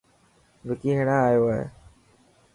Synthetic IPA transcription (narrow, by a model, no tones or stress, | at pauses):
ʋɪkiːɦeɽãːaːjoːaːɦḛː